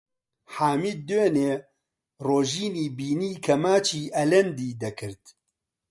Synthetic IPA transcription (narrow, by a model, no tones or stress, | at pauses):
ħaːmiːd̪øːneː | roːʒiːniːbiːniːkʰɐmaːt͡ʃʰiːʔɐlɛnd̪iːd̪ɐkʰɨɾt̪